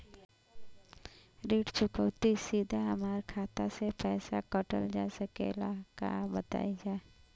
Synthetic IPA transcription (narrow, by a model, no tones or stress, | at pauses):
ɾeːʈt͡ʃʊkəʊt̪isiːd̪ʱaɦəmaːɾkʰaːt̪asepɛːsa̰kəʈə̰ld͡ʒasəkḛlaka̰bət̪a̰ːid͡ʒaːe